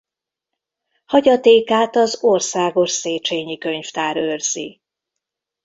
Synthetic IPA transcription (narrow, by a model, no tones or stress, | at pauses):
hɒɟɒt̪eːkaːt̪ɒzorsaːɡo̞ʃseːt͡ʃeːɲikø̞ɲft̪aːɾørz̥ḭ